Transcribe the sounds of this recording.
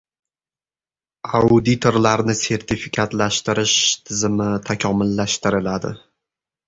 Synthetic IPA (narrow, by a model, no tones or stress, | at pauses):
aʊd̪it̪ʰoɾlaɾnɪse̞ɾt̪ʰɪfɪkʲʰat̪laʃt̪ɪɾɪʃt̪ʰɪzɪmɪt̪ʰakʰʲɒmɪlːaʃt̪ɪɾɪlad̪ɪ̰